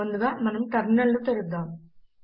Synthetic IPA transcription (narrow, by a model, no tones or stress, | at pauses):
ɐnd̪ɯðaːmɐnɐmt̪ɐɾnːɐɭːɯt̪ɛɾɯd̪ːaːm